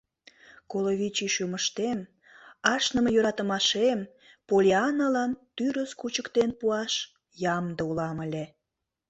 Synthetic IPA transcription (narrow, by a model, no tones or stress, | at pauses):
koloβʲit͡ɕiʃuməʃt̪em | ɑʃnə̆məjøɾɑt̪əmɑʃem | polʲeɑnəlɑnt̪yɾəskut͡ɕəkt̪enpuɑʃ | jɑmd̪əulɑməlʲe